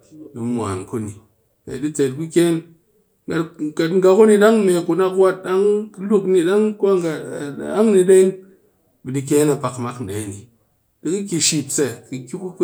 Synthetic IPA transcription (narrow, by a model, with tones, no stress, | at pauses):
ɗi˨˦mʷ˨a̰˨nku˦ni˨ | ḛ˨ɗi˦t͡se˨t̚ku˦kʲe˦n | ɡa˨tɡa˨tŋ̩˦ɡa˨˧ku˦ni˧ɗa˦ŋ˦me˨ku˨na˧kwa˦t̚ɗa˦ŋkɨ˧˦lu˦kni˧ɗa˦ŋku˦a˦ŋɡa˨a˦ŋni˧ɗe˦n | bi˨di˧k̬ʲe˦na˨pa˨kma˦kn̩˨ɗe˨˦ni˨ | ɗɨ˦kɨ˦kʲi˨ʃi˨pse˨kɨ˨kʲi˦ku˦k